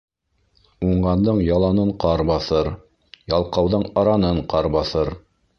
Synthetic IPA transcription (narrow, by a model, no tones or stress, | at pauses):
uɴɢɑnd̪ɤɴjɑlˠɑnɤɴqɑɾbɑθɤɾ | jɑlˠqɑwðɤɴɑɾɑnɤɴqɑɾbɑθɤɾ